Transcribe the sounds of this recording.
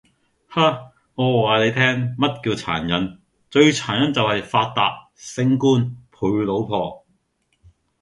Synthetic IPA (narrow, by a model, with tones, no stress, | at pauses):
haː˥ | ŋɔː˨˧waː˨˧le˨˧jt̪ʰɛː˥ŋmɐ˥t̚kiː˧wt͡sʰa̰ː˨˩njɐ˨˥n | t͡ʃɵ˧ɥt͡sʰaː˨˩njɐ˨˥nt͡sɐ˨whɐ˨jfaː˧t̚t̪aː˨k̚ | sɪ˥ŋkuː˥npʰuː˨˧˥jlo˨˧˥wpʰɔː˧